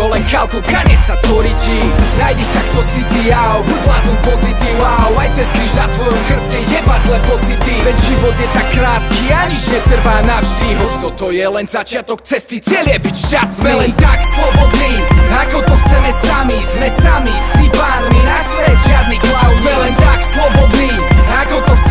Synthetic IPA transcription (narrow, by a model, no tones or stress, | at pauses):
ɔlɛnkalt̪ukaɲɛsat̪ɔɾicinajd͡ʑɛsakt̪ɔsid̪ijawbuɟlazɔmpɔzit̪iwawajt͡sɛsk̪ɾiʒnat̪vɔjɔmxr̩ptiɛbazlɛpɔt͡sit̪ivɛɟʒivɔt̪jɛt̪akːɾaːt̪kiːaɲid͡ʒɲɛt̪r̩vaːnavʒd̪iɦɔst̪ɔt̪ɔjɛlɛnzat͡ʃɪat̪ɔk̪̚t͡sɛst̪it͡sɪɛljɛbicʃtazmɛlɛnt̪akslˠɔbɔd̪niːnakɔt̪ɔxt͡sɛmɛsamizmɛsamisipaːninasʋɛʒɪad̪niklawzmɛlɛnt̪akslɔbɔd̪niːnakɔt̪ɔxt͡s